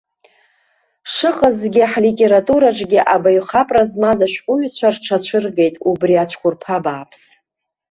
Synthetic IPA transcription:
ʂɨqʼəzɡʲɪħlitʼe̞ɾatʼuɾaʈ͡ʂʼɡʲɪʔabaɥχapʼrazmazaʃᶣqʷʼʊɥt͡ɕʷʰarʈ͡ʂʰat͡ɕʷʰɨrɡe̞jtʼubriat͡ʃʷʰkʷʰʊrpʰabaːpʰs

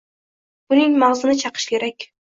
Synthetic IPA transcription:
ʊnɪŋmaʁzɪnɪt͡ʃʰɑqʰɨ̥ʃkʲe̞ɾakʲ

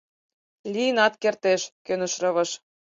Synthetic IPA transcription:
lʲiənɑt̪kert̪eʃkønə̆ʃrɤ̆βɤ̆ʃ

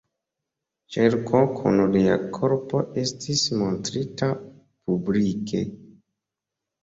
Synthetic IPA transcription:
t͡ʃeɾkʰokʰṵnolia̰kʰo̞ɾpo̞ʔe̞stismontɾita | publikʰe̞̰

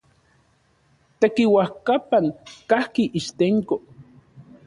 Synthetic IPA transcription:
t̪ekiwahkapaŋkahkiʔiʃt̪eŋko

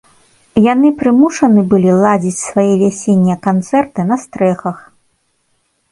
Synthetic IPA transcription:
janɨpɾɨmuʂɐnɨbɨlʲilˠad͡zʲit͡sʲsvajɛvʲasʲenʲːɐkant̪sɛrt̪ɨnɐst̪ɾɛxɐx

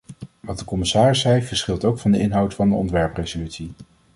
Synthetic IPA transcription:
ʋɑt̚dəkɔmɪsaːrɪsːɛjv̥əɹsχɪlˠtowkfɑndəɪnɦɑwtfɑndəɔ̰ntʋɛɹprejzolytsi

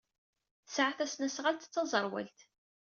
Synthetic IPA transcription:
sʕaθæsnæsʁalt̪t͡sːɑzˤəɾˤwæ̰lt̪

